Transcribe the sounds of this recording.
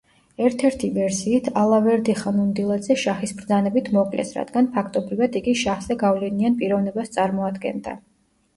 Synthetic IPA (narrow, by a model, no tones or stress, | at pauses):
ɛɾt̪ʰɛɾt̪ʰivɛɾsiːt̪ʰalˠavɛɾd̪iχanund̪ilˠad̪zɛʃaχisbɾd̪zanɛbit̪ʰmɔkʼlɛ̰sɾa̰d̪̥ɡanpʰakʰt̪ʼɔbɾivad̪iɡiʃaχz̥ɛɡavlɛnianpʼiɾɔvnɛbast̪sʼaɾmɔad̪ɡɛ̰nd̪a̰